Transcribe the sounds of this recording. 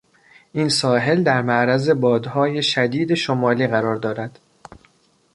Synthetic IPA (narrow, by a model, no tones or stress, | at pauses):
ʔinsɒːɦe̞ld̪æɾmæʔɾæze̞bɒːd̪hɒːje̞ʃæd̪iːd̪e̞ʃomɒːliːɣæɾɒːɾd̪ɒːɾæd̪̥